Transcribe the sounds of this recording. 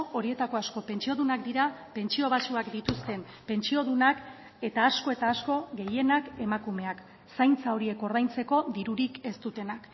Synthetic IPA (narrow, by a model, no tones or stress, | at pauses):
o̞ɾie̞t̪ako̞asko̞pe̞nt͡ʃio̞ðunakd̪iɾape̞nt͡ʃio̞β̞asuakd̪it̪ust̪e̞m | pe̞nt͡ʃio̞ðunak | e̞t̪aːsko̞e̞t̪aːsko̞ɡe̞je̞nake̞makume̞ak | sajnt͡sao̞ɾie̞ko̞ɾð̞ajnt͡se̞ko̞ðiɾuɾike̞st̪ut̪e̞nak